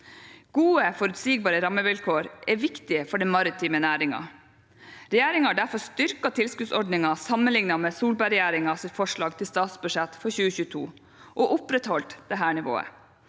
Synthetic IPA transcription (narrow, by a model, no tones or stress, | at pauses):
ɡ̥uːəfɔɾʉt̪siːɡ̚bɑːɾəɾɑməʋɪlkʰoːɾʔɛʋɪkt̪ɪəfɔɖɛmɑɾɪt̪ʰiːmənæːɾɪŋɑ̰ | ɾɛjæːɾɪŋhɑɖæɾfɔst̪ʏɾkɑt̪ʰɪlskʉːd̪sɔɖnɪŋɑsɑmənlɪŋnɑmeːsuːlbæɾɛjæːɾɪŋɑsɪt̪fɔʂɭɑːɡt̪ʰɪlst̪ɑːt̪sbʉʂɛt̪fɔɾçʉːəçʉːət̪ʰṵː | ʔoːʔʊpɾɛt̪hɔlt̪d̪ɛɦæːɳɪʋo̰ːə̰